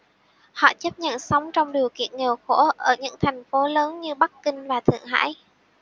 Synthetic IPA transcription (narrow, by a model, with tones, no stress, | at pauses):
hɔ̰˧˨t͡ɕə˦˥p̚ɲə̰˧˨nsa˨˦wŋ͡mt͡ɕɔ˧wŋ͡mɗi˨˩əwkḭ˧˨ənŋe˨˩wxo˧˥ʔəː˧˩ɲɨ̰˧˥ŋt̪ʰɛ˨˩jŋ̟fo˨˦ləː˨˦nɲɨ˧ɓa˦˥kkï˧ŋ̟vaː˨˩t̪ʰɨ̰˧˨əŋɦa̰ː˧˥j